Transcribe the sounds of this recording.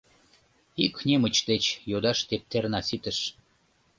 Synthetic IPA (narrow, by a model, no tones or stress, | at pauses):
ikxnʲemət͡ɕd̪et͡ɕjod̪ɑʃt̪ep̚t̪ernɑsit̪əʃ